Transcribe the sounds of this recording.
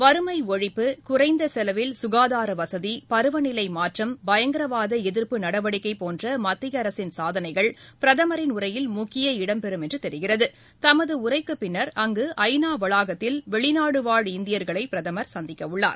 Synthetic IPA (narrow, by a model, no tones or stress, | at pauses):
ʋɐɾɯmɐɪɔɻɪpːɯkʊrɐɪnd̪ɐsɛlɐʋɪlsʊɣaːðaːɾɐʋɐsɐðipɐɾɯʋɐnɪlɐɪmaːʈrɐmbɐjɐŋɡɪɾɐʋaːðɐɛðɪɾpɯnɐɽɐʋɐɽɪkːɐɪpoːndrɐmɐt̪ːɪjɐɾɐsɪnsaːðɐnɐɪɣɐɭpɪɾɐðɐmɐɾɪnʊrɐjɪlmʊkːɪjɐɪɽɐmpɛɾɯmɛndrɯt̪ɛɾɪɣɪrɐðɯ | t̪ɐmɐðɯʊrɐɪkːɯpːɪnːɐɾɐŋɡɯʔɐɪnaːʋɐɭaːɣɐt̪ːɪlʋɛɭɪnaːɽɯʋaːɻɪnd̪ɪjɐɾɣɐɭɐɪpɪɾɐðɐmɐɾsɐnd̪ɪkːɐʋɯɭːa̰ːɾ